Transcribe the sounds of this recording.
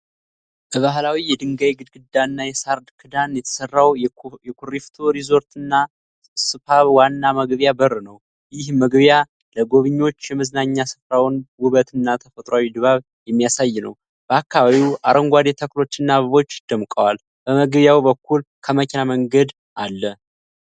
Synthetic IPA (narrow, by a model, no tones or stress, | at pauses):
b̥əβaɦlawijɛd̪ɨŋɡajɡɨd̪̚ɡɨd̪ːanːajɛsaɾd̪kʰɨd̪anjɛt̪ʰə̥sərːawjɛkʰuɾift̪ʰuɾizo̞ɾt̪ɨnːa | sɨfaβwanːaməɡβjabərːɨnəw | jɪhməɡβja | ləɡo̞βɨɲːo̞t͡ʃːjɛmɨznaɲːasɨ̥fɾawnwʊβət̪ʰɨnːat̪ʰəfət̪ʼɾoawid̪βaβ | jɛmːijasajːɪnə̰w | b̥əakːaβaβiwʔaɾəŋɡʷad̪et̪ʰəklo̞t͡ʃːɨnːaβəβo̞t͡ʃːd̪̥əmkʼəwal | b̥əməɡβjawbəkʰːul | kʰəməkʰʲenaməŋɡəd̪ | ʔalːə